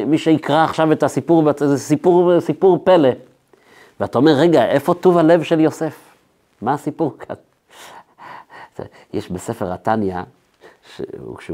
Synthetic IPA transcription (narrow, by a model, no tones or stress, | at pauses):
miʃeikʁaːχʃavetasipuʁbsipuʁsipuʁpe̞le | veataomeʁːeɡaʔe̞fo̞tuvalevʃeljo̞se̞f | maːsipuʁkʰa̰n | ḛ | jɛʃbesefeʁatanja̰ | ʃḛṵʃe